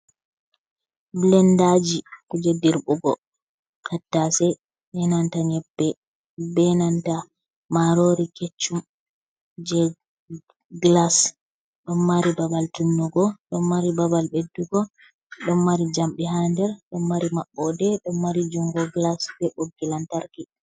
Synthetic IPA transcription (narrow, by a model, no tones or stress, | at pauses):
blɛndad͡ʒikud͡ʒediɾbuɡɔ | kʰatːasɛ | ɓɛnantaɲɛbːɛ | bɛnanta | maɾoɾiket͡ʃːum | d͡ʒɛ | ɡlas | ɗɔnmaɾibabaltunːuɡɔɗɔnmaɾibabalbedːuɡɔ | ɗɔmmaɾid͡ʒamɗɛɦandɛɾɗɔmːaɾimaɓːɔdɛɗɔnːaɾid͡ʒuŋɡɔɡlasbɛɓoɡːilantaɾki